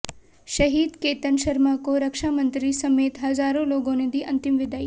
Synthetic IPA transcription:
ʃɐɦiːd̪keːt̪ənʃɐɾmakoɾɐkʃaːmənt̪ɾisɐmeːt̪ɦɐzaːɾõloːɡõːnẽd̪iːʔɐnt̪ɪmʋɪd̪aːi

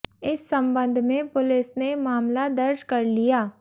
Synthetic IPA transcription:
ɪsːɐ̃mbə̃nd̪ʱmẽpʊlɪsnemaːmlad̪ɐɾd͡ʒkɐɾlijaː

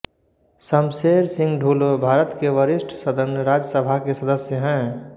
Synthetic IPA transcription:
səmseːɾsɪ̃ŋɡɖʱuːlobʱaːɾət̪keʋəɾɪsʈʰsəd̪ʱənɾaːd͡ʒəsəbʱakesəd̪əsjəɦɛ̃ː

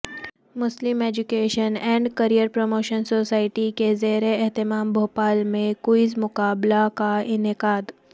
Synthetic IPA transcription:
mʊslɪmeːd͡ʒʊkeːʃənɛ̃ːɳɖkɐɾijəɾpɾomoːʃənsoːsaːɪʈikezeːɾeɛɦt̪ɪmaːmbʱoːpaːlmẽkuɪzmʊkaːblakaɪnɪqaːd̪

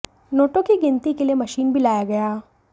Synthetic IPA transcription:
noːʈokiɡɪnt̪ikeliemɐʃiːnbʱilaːjaɡɐjaː

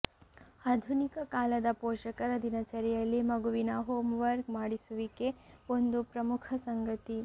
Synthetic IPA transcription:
aːd̪ʱunikɐkaːlɐd̪ɐpoːʃɐkɐɾɐd̪inɐt͡ʃɐɾɛjɐlːimɐɡuʋinɐɦoːmʋɐɾɡmaːɽisuʋikeond̪upɾɐmukʰɐsɐŋɡɐt̪i

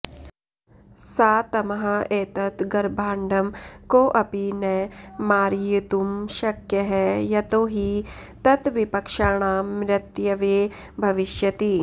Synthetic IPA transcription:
saːt̪ɐmɐɦɐeːt̪ɐt̪ɡɐɾbʱaːɳɖɐmkoʔɐpinemaːɾjit̪umʃɐkjɐɦɛjɐt̪oːɦit̪ɐt̪ʋipɐkʃaːɳ̃aːmɾɐt̪jɐʋeː | bʱɐʋɪʃjɐt̪iː

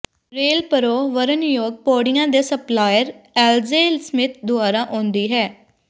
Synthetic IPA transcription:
ɾeːlpəɾoːʋəɾənjoːɡ̚poːɖɪjãːd̪eːsəplaːjəɾɛːlzeːlsmɪt̪̚ʰd̪ʊaːɾãːʔõːnd̪iːɦɛː

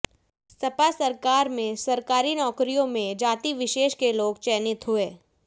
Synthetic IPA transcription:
sɐpasɐɾkaːɾmẽsɐɾkaːɾinɔːkɾijõmẽd͡ʒaːt̪iʋɪʃeːʃkeloːɡt͡ʃɛːnɪt̪ɦʊeː

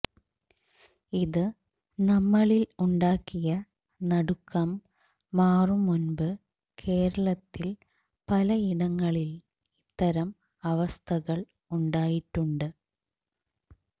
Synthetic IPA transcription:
iðɨ | nɐmːɐɭiluɳɖaːkːijɐ | nɐɽukːɐmː | aːrumunbɨ | kʰe̞ːɾɐɭɐt̪ːil | pɐlɐiɽɐŋːɐɭil | it̪ːɐɾɐm | ɐʋɐst̪ʰɐɣɐɭ | uɳɖaːjiʈːuɳɖɨ

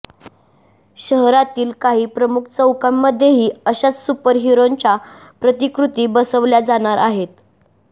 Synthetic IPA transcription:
ɕəɦɾat̪iːlkaɦiːpɾəmuk̚ʰt͡səwkamːəd̪ʱjeɦiːəɕat͡ssupəɾɦiɾoɲt͡ɕa | pɾət̪ikɾut̪iːbəsəʋljad͡zaɽ̃aɾʔaɦet̪

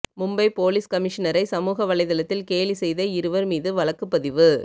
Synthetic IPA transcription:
mʊmbɐɪpoːliskɐmɪʂɐnɐɾɐɪsɐmuːɣɐʋɐɭɐɪðɐlɐt̪ːɪlkeːlisɛjðɐɪɾɯʋɐɾmiːðɯʋɐɭɐkːɯpːɐðɪʋɯ

